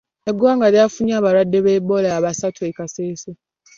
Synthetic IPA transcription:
eɡwaːŋɡaɾjafuɲjaːβaɾwadːeβeːbolaaβasatʰuekaseːse

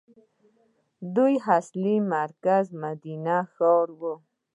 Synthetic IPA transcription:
d̪ujɦaslimaɾkazmad̪inaxowɾwo

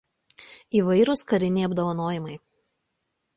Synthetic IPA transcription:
iːʋɐɪɾʊskɐɾʲɪnʲɛɐbd̪oːʋɐnoːjɪmɐɪ

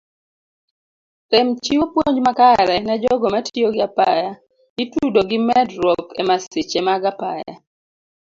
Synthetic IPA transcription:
temt͡ʃiwopwoɲd͡ʒmakaɾɛnɛd͡ʒɔɡɔmatʰioɡɪapaja | itudoɡɪmɛdɾɔkɛmasɪt͡ʃemaɡapa̰ja̰

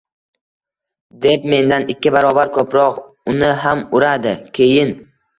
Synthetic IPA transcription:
d̪e̞p̚me̞nd̪anɪkʲːɪbaɾɒbaɾkʰɵpɾɒq | ʊnɪɦamʊɾad̪ɪkʲʰe̞jɪn

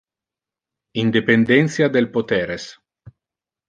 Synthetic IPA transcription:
ind̪epend̪ɛnt̪sjad̪elpot̪ɛːɾes

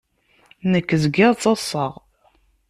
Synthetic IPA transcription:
nəkːəzɡɪʁt͡sˤːɑsˤəʁ

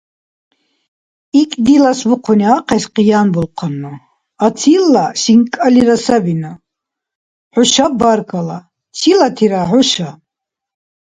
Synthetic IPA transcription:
ikʼd̪ilasbuqʰuniaqʰɛsqʼijanbulqʰanːu | at͡sʰilːasiŋkʼaliɾasabina | ħʊʃabarkʰʼala | silat̪ʰiɾaħʊʃa

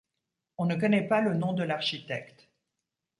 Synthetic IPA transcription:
ɔ̃nəkɔnɛpalənɔ̃d̪əlaʁʃit̪ɛkt̪

